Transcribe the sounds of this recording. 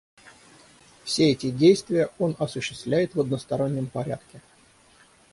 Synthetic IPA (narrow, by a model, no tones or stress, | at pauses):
fsʲeɛtʲɪdʲejst̪vʲɪjəo̞nɐsʊɕːɪst̪vlʲæjɪt̪vəd̪nəst̪ɐɾo̞nʲːəmpɐɾʲæ̰t̪kʲɪ